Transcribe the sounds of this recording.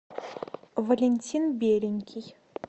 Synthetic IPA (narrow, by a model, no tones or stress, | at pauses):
vɐlʲenʲtʲʰinbʲeːɾʲɪnʲkʲʰij